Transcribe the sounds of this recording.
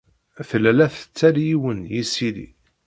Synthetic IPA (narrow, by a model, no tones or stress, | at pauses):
θlælæθə̥t͡sːæljiwənjisilḭ